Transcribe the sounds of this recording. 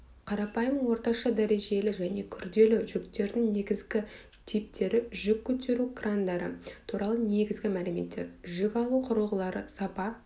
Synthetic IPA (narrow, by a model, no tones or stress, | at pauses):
qʰɑɾɑpɑjəməɴwo̞ɾt̪ɑʃɑd̪æɾe̞ʒe̞lɪʒæne̞kʲʰʏɾd̪e̞lɪʒʏkt̪e̞ɾd̪ɪŋne̞ɡʲɪzɡʲɪ | t̪ʰijp̚t̪ʰe̞ɾɪʒʏkʲʰːɵt̪ʰe̞ɾukrand̪ɑɾə̰t̪ʰuɾɑlˠəne̞ɡʲɪzɡʲɪmælɪme̞̰t̪ːe̞̰ɾʒʏkʲɑlˠuqʰʊɾəlˠʁəlˠɑɾəsɑpɑ